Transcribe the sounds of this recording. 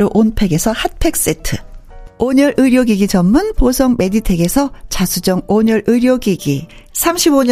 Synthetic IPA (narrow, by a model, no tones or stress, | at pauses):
ɾoʔonpʰe̞ɡe̞sʰʌhat̚pʰe̞k̚s͈itʰɯoɲʌɾʔɯɾjoɡiɡit͡ɕʌmːɯnposʰʌŋme̞ditʰe̞ɡe̞sʰʌt͡ɕasʰud͡ʑʌŋoɲʌɾʔɯɾjoɡiɡisʰamɕʰiboɲ